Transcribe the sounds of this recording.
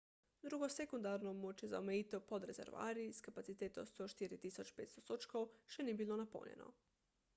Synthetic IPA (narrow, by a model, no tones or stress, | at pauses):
d̪ɾuɡosekund̪aɾnomot͡ʃjeza̰omeit̪opod̪ɾezḛɾʋa̰ːɾiskapat̪sit̪et̪ost̪oʃt̪iɾit̪isot͡ʃpet̪st̪osot͡ʃkowʃenibilˠonapo̰ɲḛno̰